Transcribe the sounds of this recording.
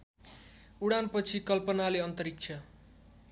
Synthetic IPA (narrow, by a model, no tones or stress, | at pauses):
uɽanpʌt͡sʰikʌlpʌnaleʌnt̪ʌɾik̚t͡sʰʌ